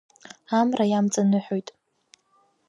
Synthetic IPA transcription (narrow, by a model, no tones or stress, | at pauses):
amrajamt͡sʼanɨħojtʼ